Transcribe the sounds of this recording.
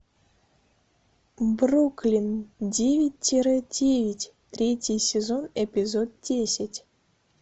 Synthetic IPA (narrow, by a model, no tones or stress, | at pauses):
bruklʲindʲevʲit̚ʲtʲːeɾedʲevʲitʲ | t̪rʲetʲijsʲezonepʲizot̪̚dʲesʲɪtʲ